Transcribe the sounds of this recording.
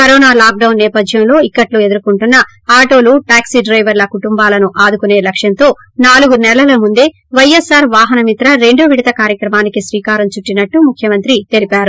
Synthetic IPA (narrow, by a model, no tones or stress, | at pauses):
kɐɾɔːnaːlaːk̚ɖɐwnːɛːpɐd̪ʱjɐmlo̞ːikːɐʈlue̞d̪uɾukuɳʈunːɐ | aːʈo̞ːluʈaːksiɖɾɐjʋɐɾlɐkuʈumbaːlɐnuʔaːd̪ukune̞ːlɐkʂjɐnt̪o̞ː | naːluɡunɛlɐlɐmund̪e̞ː | ʋɐjesaːɾʋaːɦɐnɐmit̪ɾɐɾe̞ɳɖuʋiɽit̪ɐkaːɾjɐkɾɐmaːnikisɾiːkaːɾɐmt͡ʃuʈːinɐʈːumukʰjɐmɐnt̪ɾit̪elipaːɾu